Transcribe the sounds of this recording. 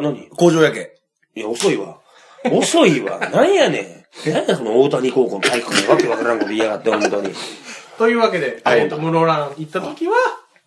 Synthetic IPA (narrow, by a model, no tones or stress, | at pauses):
naɲ̟iko̞ːʑo̞ːjake | jaoso̞iβa̰ | oso̞iβa̰nãĩjanḛanaso̞nooːt̪aɲ̟iko̞ːkõ̞nt̪aikkamoβakeβakaɾãŋko̞t̪oiaɡat̪ːeomot̪aɲ̟it̪o̞jɯ̟ːβake̞d̪e̞at̪omɯ̟ɾoɾãit̪ːat̪okʲiβa